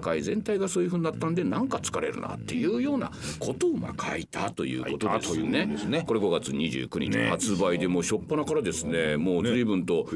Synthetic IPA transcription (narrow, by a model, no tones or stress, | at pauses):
kaizẽ̞nt̪aiɡasoːjiɯɸɯ̟ɲ̟iːat̪ːand̪e̞nãŋkat͡sɨ̥kaɾe̞̰ɾɯ̰na̰t̪ːe̞jɯ̟ːjo̞ːna̰kʰo̞t̪o̞ːma̰kʰa̰it̪ʰat̪o̞jɯ̟̰ːko̞t̪odnesneko̞ɾe̞ɡo̞ɡat͡sɨɲ̟iʑɨ̰ːkɯ̟ɲ̟it͡ɕḭhat͡sɨbaid̪e̞mo̞ːɕo̞pːanakaɾad̪e̞sɨne̞mo̞ːzɨɾibɯ̟̃nt̪o̞